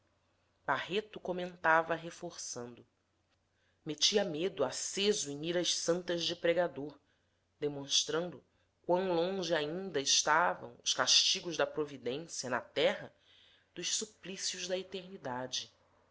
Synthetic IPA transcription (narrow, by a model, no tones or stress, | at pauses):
baɦet̪ʊkomẽnt̪avɐɦefoɾsɐ̃nd̪ʊ | met͡ʃiɐmed̪ʊasezʊẽiɾɐʃsɐ̃nt̪ɐzd͡ʒɪpɾeɡad̪oɾ | d̪emõʃt̪ɾɐ̃nd̪ʊ | kwɐ̃w̃lõʒɪaĩnd̪ɐɪʃt̪avɐ̰̃w̃ʊʃkaʃt͡ʃiɡʊʒd̪ɐpɾovid̪ẽsjɐnɐt̪ɛɦɐ | d̪̥ʊʃsuplisjʊʒd̪ɐet̪eɾnid̪ad͡ʒɪ